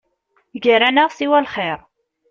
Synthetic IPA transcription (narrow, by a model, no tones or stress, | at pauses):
ɡəɾænəʁsiwælχeɾˤ